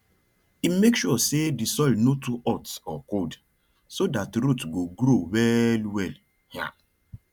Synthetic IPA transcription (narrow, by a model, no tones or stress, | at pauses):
imekʃuɔsedisɔlnotuʔɔtsɔkod | sodatɾutɡoɡɾowɛlwɛl | ha̰